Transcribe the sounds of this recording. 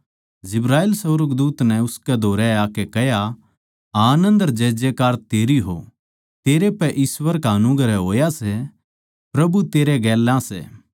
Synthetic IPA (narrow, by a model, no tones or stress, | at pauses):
d͡ʒɪbɾaːeːlsɐɾəɡd̪uːt̪nɛ̃ʊskɛd̪ʱoːɾɛaːkɛkɛɦja | aːnə̃nd̪ɐɾd͡ʒɛːd͡ʒekaːɾt̪eːɾiɦo̰ | t̪eːɾepɛʔiːsʋəɾkaɐnʊɡɾɛɦoːjasɛ | pɾɐbut̪eːɾeɡɛːlãsɛ̰ː